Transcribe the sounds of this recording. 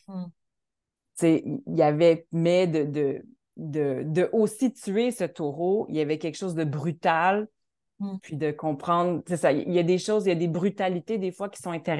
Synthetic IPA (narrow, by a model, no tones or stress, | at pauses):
t͡sejavɛmɛd̪əd̪ə | d̪əd̪əʔosit̪yesət̪oʁoḭjavɛkʲɛlkʃoʊzd̪əbʁyt̪al | pʰɥid̪əkɔ̃pχɑ̃ːd̪ʁsesaj̰iljad̪eʃoʊzjad̪ebʁyt̪alit̪ed̪efwakʲi̥sɔ̃ɛ̃t̪eʁ